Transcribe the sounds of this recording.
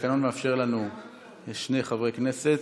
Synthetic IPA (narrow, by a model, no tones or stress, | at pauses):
kano̞nmeafʃe̞ʁlanu | ʃne̞jχavʁekne̞set̪